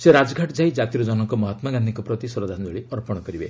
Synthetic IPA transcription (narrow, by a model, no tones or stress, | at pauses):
seɾad͡ʒɔɡʱaʈd͡ʒaid͡ʒat̪iɾɔd͡ʒɔnɔŋkɔmɔɦat̪maɡand̪iŋkɔpɾɔt̪isɔɾɔd̪ʱanɔd͡ʒɔɭiɔɾpɔɽ̃ɔkɔɾibḛ